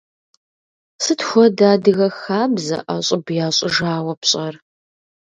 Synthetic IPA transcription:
sɨtxʷɔdaːdɨɣɐxaːbzɐ̰ʔaɕʼɪbjaːɕʼɪʒaːwɐpɕʼɐr

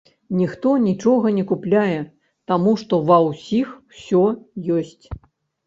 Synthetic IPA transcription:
nʲixt̪ɔnʲit͡ʂɔɣɐnʲɛkuplʲajɛ | t̪amuʂt̪ɔvɐwsʲixwsʲɔjɔsʲt͡sʲ

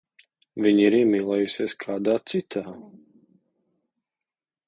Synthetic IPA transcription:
viɲiɾimilˠajusɛskʰaːd̪aːt͡sit̪ʰa

